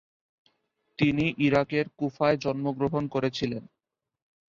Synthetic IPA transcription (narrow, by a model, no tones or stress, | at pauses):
t̪iniʔiɾakeɾkufaed͡ʑɔnmoɡɾoɦonkoɾet͡ɕʰilen